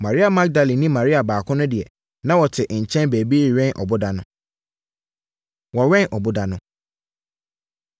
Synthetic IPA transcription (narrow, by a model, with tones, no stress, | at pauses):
mã˨ɾi˦a˨ma˦ɡ̚da˨lĩ˨nĩ˦mã˨ɾi˦a˨baː˨kʰʊ̃˦nʊ̃˦dɪ˨ɛ˨ | nã˦wɔ˨tʰɪ˨ʔɲ̩˨t͡ɕʰɛ̃˦nbeː˨bi˦i˨ɾɛ̃˦nʔɔ̰˨bʊ˦da˨nʊ̃˦ | wɔ˨ɥɛ̃˦nʔɔ˨bʊ˦da˨nʊ̃˦